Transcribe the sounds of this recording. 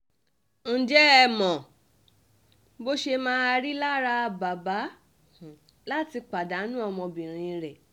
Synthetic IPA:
n̩˨d͡ʒɛ˦ɛ˧˨mɔ̃˨ | bo˦ʃe˧mãː˦a˧ɾi˦la˦ɾa˧ba˨ba˨˦˨ | la˦ti˧k͡pa˨da˨˦nũ˦ɔ˧mɔ̃˧bĩ˨ɾ̃ĩ˧ɾɛ˨

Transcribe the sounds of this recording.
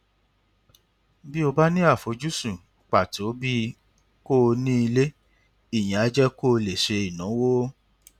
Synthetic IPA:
bi˦o˧ba˦nĩ˦a˦˨fo˨˧d͡ʒu˦sũ˨k͡pa˨to˨˦bi˦ | ko˦˧nĩ˦i˧le˦ | i˦˨j̃ã˨a˨˧˦d͡ʒɛ˦ko˦˧le˨ʃe˧i˨nũ˨˦wo˦

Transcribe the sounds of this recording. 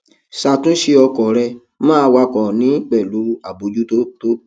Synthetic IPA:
sa˧˨tũ˦ʃe˧ɔ˧kɔ˨ɾɛ˧ | mãː˦˧wa˧kɔ̃˨nĩ˨˦k͡pɛ˨lu˨˦a˨bo˨˦d͡ʒu˦to˦to˦

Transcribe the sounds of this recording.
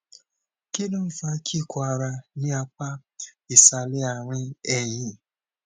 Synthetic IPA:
ke˦nõ˦i˦˨fa˧˦kʰi˦˨kʰɔ˧a˧ɾa˧nĩ˦a˧k͡pa˦i˨sa˧le˦a˧˨ɾ̃ĩ˦ɛ˦˨j̃ĩ˧˨

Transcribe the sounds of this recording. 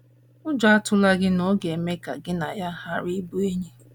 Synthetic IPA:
ʊ˦d͡ʒɔ˦a˦tʊ˦la˦ɡɪ˦nɔ˦ɡe˨me˦ka̰˨ɡɪ˦na˨ja˦ha˦ɾi˦bu˦e˦ɲe˦

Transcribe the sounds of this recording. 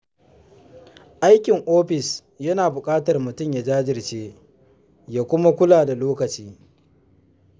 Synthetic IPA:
ʔa˦jkʲɪ˨ŋʔoː˦ɸɪ˨s | jɐ˦naː˨bʊ˨kʼaː˦tɐ˨rmʊ˨tʊ˦˨mja˨d͡ʒaː˦d͡ʒɪ˨rt͡ʃeː˦ | jaː˦kʷʊ˦ma˦kʷʊ˦laː˨da˨loː˦kɐ˨t͡ʃiː˦

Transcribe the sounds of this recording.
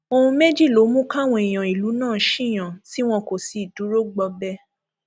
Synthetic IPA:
o˧hũ˧me˦d͡ʒi˦˨lo˨˦mũ˦kã˦˨w̃ɔ̃˧i˨j̃ã˨i˨lu˨˦nãː˦˨ʃĩ˦˨j̃ã˨si˦w̃ɔ̃˧ko˨si˧˨du˨˦ɾo˦ɡ͡bɔ˧bɛ˦

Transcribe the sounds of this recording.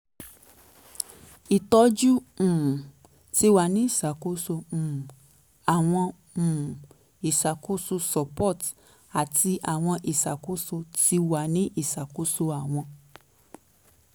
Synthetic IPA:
i˨tɔ˧˦d͡ʒũ˦˨ | ti˧˦wa˨nĩ˨˦i˦˨sa˨ko˨˦sõ˧˨ | a˨w̃ɔ̃˧˨ | i˨sa˨ko˦so˧sɔ˨pɔ˦˨t | a˨ti˧ʔa˨w̃ɔ̃˧ʔi˨sa˨ko˦so˧ti˧˦wa˨nĩ˦ʔi˦˨sa˨ko˦so˧a˨w̃ɔ̃˧

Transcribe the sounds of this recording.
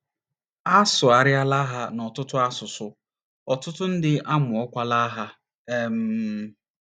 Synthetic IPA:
a˦sʊ˨a˨ɾja˦la˦ɦa˦nɔ˨tʊ˦tʊ˦a˦sʊ˨sʊ˨ | ɔ˨tʊ˦tʊ˦n̩˦dɪ˦a˦mʊ˨ɔ˦kʷa˦la˦ɦa˦ | e˦m̩˨˦

